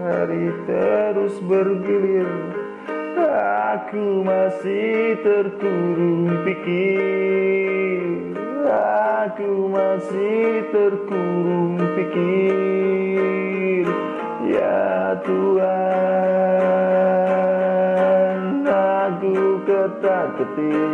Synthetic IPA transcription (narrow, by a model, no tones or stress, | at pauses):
ha̰ɾit̪əɾʊsbərɡilir | akumasit̪ərkuɾʊŋpiki | akumasɪht̪ərɡuɾuŋpiki | r | ja̰t̪ua | nakukət̪akət̪i